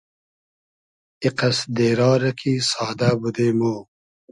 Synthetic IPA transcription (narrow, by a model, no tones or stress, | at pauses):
iqɐsd̪eːɾɑːɾɐkʰisɑːd̪abud̪eːmoː